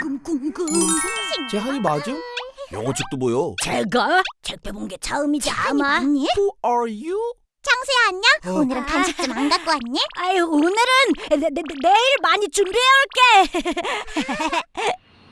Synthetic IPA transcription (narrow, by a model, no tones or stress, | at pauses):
kɯmkumɡɯmt͡ɕeɦanimad͡ʑinjo̰ŋʌt͡ɕʰik̚t͈obojot͡ɕeɡat͡ɕek̚p͈jobonɡet͡ɕʰaɯmid͡ʑia̰maɲihuaɾju | t͡ɕaŋsʰejaaɲaonɯɾɯnpʰjanɕʰik͈̚ɯmanɡak͈oaɲːiajonɯɾɯnneiɭmaɲit͡ɕumbieɯɭk͈e̞